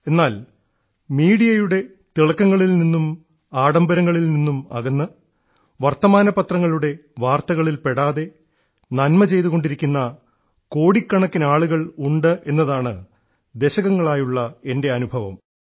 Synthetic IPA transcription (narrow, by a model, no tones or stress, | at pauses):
e̞nːaːl | miːɽijɐjuɽe̞ | t̪iɭɐkːɐŋːɐɭilninːum | aːɽɐmbɐɾɐŋːɐɭilninːumɐ̰ɣɐnːɨ | ʋɐrt̪ːɐmaːnɐpɐt̪rɐŋːɐɭuɽe̞ʋaːrt̪ɐɣɐɭilpe̞ɽaːðe̞ | nɐnmɐt͡ɕe̞jt̪uɣo̞ɳɖiɾikʲːunːɐ | ko̞ːɽikːɐɳɐkːinaːɭuɣɐɭuɳɖɨʔe̞nːɐðaːɳɨ | d̪e̞ɕɐɣɐŋːɐɭaːjuɭːɐe̞nde̞ɐnubʱɐʋɐ̰m